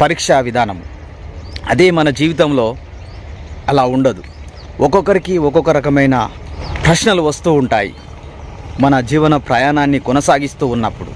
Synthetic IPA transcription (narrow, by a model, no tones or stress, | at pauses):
pɐɾiːkʂaʋid̪ʱaːnɐmu | ɐ̰d̪e̞ːmɐnɐd͡ʒiːʋit̪̬ɐmlo̞ː | ɐlaːuɳɖɐd̪u | ʔɔkɔkːɐɾikiɔkɔkɐɾɐkɐmɐjnɐ̰ | pɾɐʂnɐluʋɐst̪uːuɳʈa̰ːjḭ | mɐnɐd͡ʒiːʋɐnɐpɾɐjaːnaːnːikɔnɐsaːɡist̪uːnːɐpːuɽṵ